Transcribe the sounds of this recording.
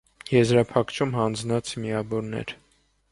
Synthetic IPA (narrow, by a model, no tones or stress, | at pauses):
jɛzɾɑpʰɑkʰt͡ʃʰumɦɑnd͡znɑt͡sʰmiɑvɔɾnɛ̰ɾ